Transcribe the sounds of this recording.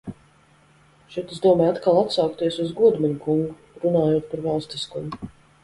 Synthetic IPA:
ʃɛt̪uzd̪uɔmɛjat̪kalˠat̪sawkt̪iɛsuzɡuɔd̪mɛɲukuŋɡu | ɾunaːjoɔt̪̚paɾvalˠst̪iskumu

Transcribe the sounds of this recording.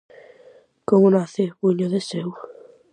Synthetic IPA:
komʊnaθeβuɲoðesew

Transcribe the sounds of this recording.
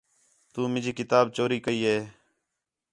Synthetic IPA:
t̪uːmɪd͡ʒiːkɪt̪aːbt͡ʃoːɾiːkəiːɦeː

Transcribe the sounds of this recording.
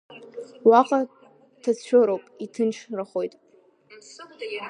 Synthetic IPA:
waqʼa | tʰat͡sʰʃᶣoɾowpʼitʰɨnʃʰraχo̞jtʼ

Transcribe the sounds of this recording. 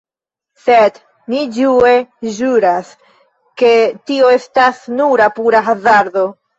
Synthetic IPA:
sed | nid͡ʒue̞ʒuɾas | ke̞tio̞e̞stasnuɾapuɾaxazaɾdo̞

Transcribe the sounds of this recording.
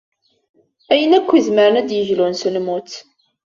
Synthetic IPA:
æjənækʷːizməɾənæd̪jəʝlunsəlmut͡s

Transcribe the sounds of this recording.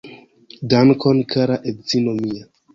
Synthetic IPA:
dankonkʰaɾaʔedzinomia

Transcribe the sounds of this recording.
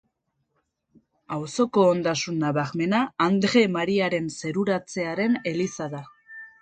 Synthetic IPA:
awso̞ko̞ːnd̪asunːaβaɣme̞naːnd̪ɾe̞maɾiaɾe̞nse̞ɾuɾat͡se̞aɾe̞ne̞lisaða

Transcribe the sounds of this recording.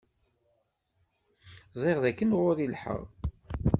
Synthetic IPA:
zˤeʁðækːənʁʊɾilħə̰ʁ

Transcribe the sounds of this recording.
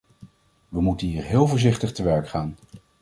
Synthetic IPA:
ʋəmutənɦiːɹɦɪːlˠvʊːɹzɪχtəχtəʋɛɹkχaːn

